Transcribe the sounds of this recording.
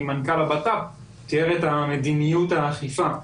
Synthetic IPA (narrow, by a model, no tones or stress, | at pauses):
mankalabat̪ap | t̪ieʁet̪hamed̪inijut̪haːχifa